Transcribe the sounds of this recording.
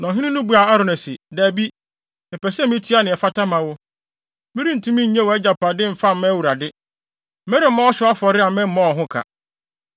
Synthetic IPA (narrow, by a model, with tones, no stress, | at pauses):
nã˨ɦɪ̃˦nɪ̃˦nʊ̃˦bu˨a˨a˦ɾʊ˨nɛ˨sɪ˨daː˨bi˦ | ɪ˨pɛ˨sɛ˦mĩ˦tʰi˦a˦˨nɪ̃˨ɛ˨fa˦tʰã˦mã˨wʊ˦ | mĩ˦ɾĩ˦n̩˨tʰũ˦mĩ˦ɲ̩˨ɲɛ̃˦wɔ˨ɛ˦d͡ʑa˨pʰa˨dɪ˦m̩˨fa˦mɛ̃˦wu˨ɾa˨dɪ˦ | mɛ̃˦ɾɪ̃˨˦mã˦ɔ˦ɕᶣɪ˨˦a˦fɔ˨ɾɪ˦a˨mɛ̃˦m̩˦mɔ̃˦ɔ˨ɦʊ̃˦kʰa̰˨